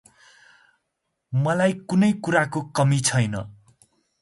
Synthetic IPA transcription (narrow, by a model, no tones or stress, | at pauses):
mʌlajkunʌjkuɾakokʌmit͡sʰʌjnʌ̰